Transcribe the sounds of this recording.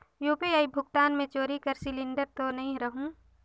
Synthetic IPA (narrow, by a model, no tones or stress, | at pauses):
joːpiaibʱʊk̚ʈaːnmẽt͡ʃoːɾikɐɾsɪlɪ̃ɳɖəɾt̪onɐɦĩɾɐɦũː